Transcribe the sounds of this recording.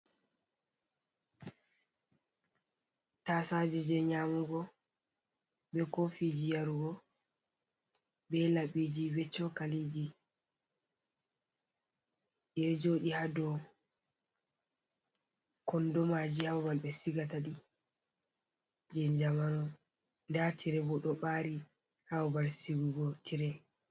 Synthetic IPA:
tasad͡ʒid͡ʒɛɲamuɡɔ | bɛkofid͡ʒijaɾuɡɔ | bɛlaɓid͡ʒiwɛt͡ʃːɔkalid͡ʒi | ɛd͡ʒoɗihadɔ | kɔndɔmad͡ʒihawmalɓɛsiɡataɗi | d͡ʒɛɲd͡ʒamanɔ | ndatiɾɛbɔɗɔɓaɾi | hawbaɾsiɡuɡɔtiɾɛ

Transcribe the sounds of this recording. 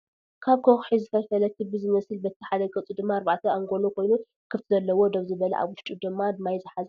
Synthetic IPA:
kʰaβkʰoxħizɨt̪ʰɐfɐlɐk̪ʰɨbɨzɨmɐsɨlbɐt̪ʰːiħad̪ɐɡʼɨt͡sʼud̪ɨmːaːɾβaʕt̪ʰɐaŋɡo̞lokʰo̞jnu | kʰɨft̪ʰizɐlːɐwo̞d̪oβzɨβɐlɐ̰ʔa̰βwʊʃt͡ʃ̪ʼud̪ɨmːad̪ɨmːajzɨħazɐ

